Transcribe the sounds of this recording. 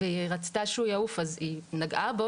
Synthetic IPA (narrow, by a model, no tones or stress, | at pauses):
eiʁat͡si̥t̪aʃeujaufazinaɡabo